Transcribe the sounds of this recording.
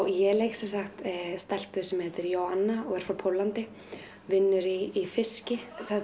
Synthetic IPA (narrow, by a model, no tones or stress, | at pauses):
wjɛleːjkɪ̥sɛnsaxt̪st̪ɛl̥pʏsɛmhɛt̪ɪɾjowhanːaɔɣɛɾ̥fɾawpʰowlant̪ɪ | vɪnːʏɾiːfɪscɪθɛ